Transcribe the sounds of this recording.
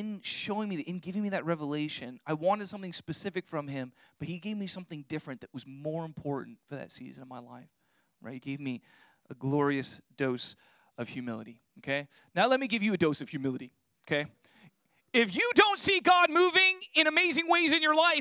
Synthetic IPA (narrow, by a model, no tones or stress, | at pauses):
ɨ̃nʃoʊɪ̃ŋmiɨ̃nɡɪvɪ̃ŋmiðɨt̚ɹɛvəleɪʃɨ̃naɪwɑ̃ɾ̃ɨd̥sʌ̃mθɪ̃ŋspɨsɪfɨkfɹʌ̃mɪ̃mb̥ʌt̚hiɡeɪvmisʌ̃mθɪ̃ŋdɪfɹɨ̃nðɨʔ̚wʌzmɔɹɨ̃mpʰɔɹʔn̩tfə˞ðɨ̰tsḭzɨ̃nʌvmaɪla̰ɪf | ɹa̰ɪthiɡ̥eɪvmi | ʔəɡlɔɹiɨsd̥oʊs | ʌv̥hjʉmɪlˠə̰ɾi | oʊkʰeɪ | naʊlɛt̚miɡɪvjɨɨdoʊsʌv̥hjʉmɪlˠɨɾi | okʰeɪ | ɪfjɨdõʊ̃ntsiɡɑd̚muvɪ̃ŋɨ̃ñɨmeɪzɪ̃ŋweɪzɨ̃njə˞laɪ